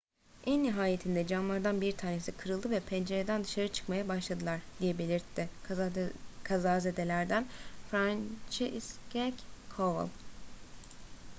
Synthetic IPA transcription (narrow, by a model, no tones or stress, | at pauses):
ʔɛnːiɦaːjet̪ʰind̪ɛd͡ʒanlˠaɾd̪anbiɾt̪ʰaːne̞sikʰɯɾɯlˠd̪ɯvɛpʰɛnd͡ʒeɾed̪ænd̪ɯʃaɾɯt͡ʃʰɯ̥kmajabaʃlˠad̪ɯlˠaɾd̪̥ijɛbe̞lʲiɾt̪ʰːɪ | kʰazaːzed̪e̞lʲæɾd̪ænfɾant͡ʃʰeʔskɛckʰova̰lˠ